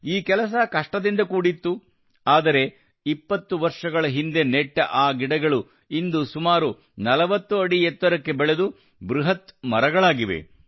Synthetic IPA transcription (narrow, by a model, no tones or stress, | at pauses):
iːkɛlɐs̬ɐkɐʂʈɐd̪ind̪ɐkuːɽit̪ːu | aːd̪ɐɾe̞ | ipːɐt̪ːuʋɐɾʂɐɡɐɭɐɦind̪e̞neʈːɐʔaːɡiɽɐɡɐɭu | ind̪usumaːɾu | nɐlɐʋɐt̪ːuɐɽiɛt̪ːɐɾɐkːe̞bɛɭe̞d̪u | bɾuɦɐt̪mɐɾɐɡɐɭaːɡiʋḛ